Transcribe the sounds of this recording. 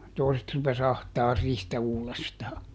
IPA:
toˑi̯set rupes ɑhtɑːr rihtæ uːlestɑː

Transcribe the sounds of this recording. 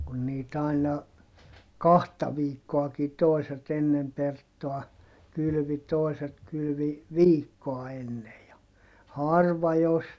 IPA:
kun niːt ɑinɑ kɑhtɑ ʋiːkːoɑki toiset enːem pertːoɑ kyly̆ʋi toiset kylʋi ʋiːkːoɑ enːej jɑ hɑrʋɑ jos

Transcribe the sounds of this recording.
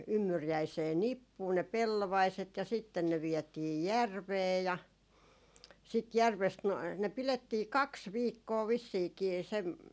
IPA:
ymːyrjæiseː nipːuː ne pelːoʋɑiset jɑ sitːen ne ʋiɛtiː jærʋeː jɑ sit jærʋest no ne piletːiː kɑks ʋiːkːoː ʋisːiːkiː seʋ

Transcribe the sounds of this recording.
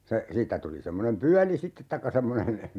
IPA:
se siːtːæ tuli semːonem pyæli sitːet tɑikːɑ semːonen

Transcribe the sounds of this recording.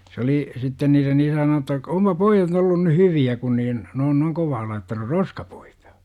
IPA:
s oli sitːen niːren isæ nonu etːæ ompɑ poijɑt olːun ny hyʋiæ kun niːn ne on noiŋ koʋɑː lɑitːɑnur roskɑpu̥i̥tɑ̥

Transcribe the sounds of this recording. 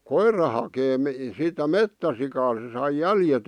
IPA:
koirːɑ hɑkeː mi sitæ metːæsikɑː se sɑi jæljet

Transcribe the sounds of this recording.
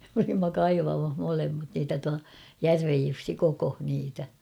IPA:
m olimːɑ kɑiʋɑmɑh molemːɑt niːtæ tuɑ jærʋej jusːi kokoh niːtæ

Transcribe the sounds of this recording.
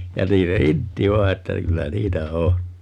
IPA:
jɑ niːn se intːi ʋɑi̯ etːæ kylːæ niːtæ o

